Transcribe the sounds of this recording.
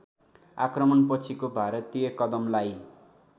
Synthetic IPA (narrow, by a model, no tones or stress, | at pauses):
akrʌmʌnpʌt͡sʰikobʱaɾʌt̪ijʌkʌd̪ʌmlaj